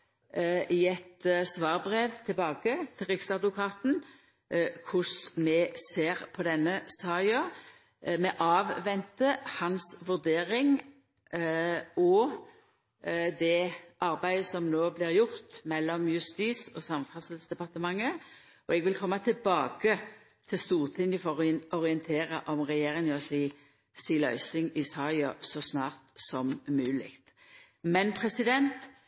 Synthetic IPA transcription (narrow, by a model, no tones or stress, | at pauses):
ɪɛt̪sʋɑːʁbʁeːʋt̪ʰɪlbɑːɡət̪ʰɪlʁɪksɑd̪ʋʊkʰɑːt̪n̩ | kʰʊsmɛseːʁpʰɔd̪ɛnːəsɑːɪɑ | mɛʔɑːʋʋɛnt̪əhɑnsʋʉʁd̪eːʁɪŋ | ɔ | d̪ɛʔɑʁbæɪəsɔmnoːblɪʁjʊʁt̪mɛlːɔmjʉst̪iːsɔsɑmfɑsəlsd̪ɛpɑt̪əmɑŋːə | ɔɛɡʋɪlkʰɔmːɑt̪ʰɪlbɑːɡə | t̪ʰɪst̪uːʁt̪ʰɪnɪfɔʁɔʁɪənt̪ʰeːʁɑʔɔmʁɛjeːʁɪŋɔsiː | siːlœ̰ʏsɪŋɪsɑɑsɔsnɑːʁt̪sɔmmʉːlɪ̰kt̪ | mɛnpʰʁɛsɪd̪ɛnt̪